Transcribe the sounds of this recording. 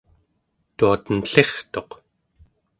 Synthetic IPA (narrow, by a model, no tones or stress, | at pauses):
t̪uat̪ənɬe̞χt̪o̞q